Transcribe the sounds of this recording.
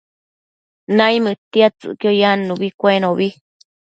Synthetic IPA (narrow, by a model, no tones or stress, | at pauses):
nãĩmɨt̪iat͡sɨ̰kiojanũβikʷeenõβi